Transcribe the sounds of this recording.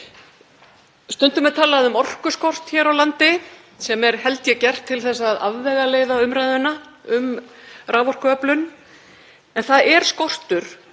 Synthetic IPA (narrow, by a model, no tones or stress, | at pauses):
st̪ʏnt̪ʏmɛðt̪ʰaːlaðʏmɔr̥kʏskɔr̥t̪çɛːɾawlant̪ɪ | sɛmɛɾ̥hɛlt̪jɛcɛr̥t̪ʰːɪlθɛsːaðaðvɛɣaleːjðaʏmɾajðʏnaʏmraːvɔr̥kʏœplʏn | ɛnθaðɛɾ̥skɔr̥t̪ʏɾ̥